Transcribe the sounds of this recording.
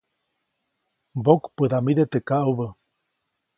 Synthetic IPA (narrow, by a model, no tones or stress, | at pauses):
bokpɨðamiðet̪ekaʔuβə